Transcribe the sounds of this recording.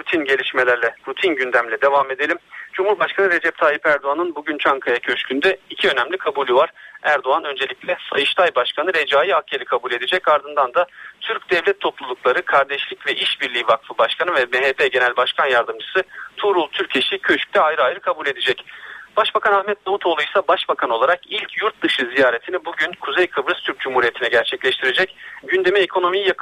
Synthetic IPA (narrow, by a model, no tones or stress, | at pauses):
ɾut̪ʰinɟe̞lʲiʃme̞lʲæɾlʲɛɾut̪ʰinɟynd̪æmlʲɛd̪e̞vame̞d̪e̞lʲimd͡ʒumhuɾbaʃkʰanɯɾe̞d͡ʒɛp̚t̪ʰaːjipæɾd̪oanɯnbuɟynt͡ʃʰaŋkʰajacʰø̞ʃcʰynd̪ɛicʰiø̞næmlʲikʰabulʲuvaɾ̥æɾd̪oanø̞nd͡ʒe̞lʲicʲlʲɛsa̰jɯʃt̪ʰajbaʃkʰanɯɾe̞d͡ʒaːjiacʰːeɾʲikʰabulʲe̞d̪ed͡ʒɛcaɾd̪ɯnd̪and̪at̪ʰyɾcd̪ɛvlʲɛt̪ʰːo̞plˠulˠuklˠaɾɯkʰaɾd̪ɛʃlʲicvɛʔiʃbiɾlʲiːvakfɯbaʃkʰanɯvɛbeɦepʰeɟenælʲbaʃkʰanjaɾd̪ɯmd͡ʒɯsɯt̪ʰuɾulˠt̪ʰyɾcʰe̞ʃicʰø̞ʃy̥c̚t̪ʰɛajɾɯajɾkʰabulʲe̞d̪ed͡ʒɛcb̥aʃbakʰanahmɛt̪̚namut̪ʰo̞ːlˠujsabaʃbakʰano̞lˠaɾakilʲcʰjuɾt̪̚d̪ɯʃɯzijaːɾet̪ʰinibuɟynkʰuzejkʰɯbɾɯst̪ʰyɾc̚d͡ʒumhuːɾije̞t̪ʰinɛɟæɾt͡ʃʰɛclʲɛʃt̪ʰiɾed͡ʒɛcɟynd̪e̞miekʰo̞no̞mijjak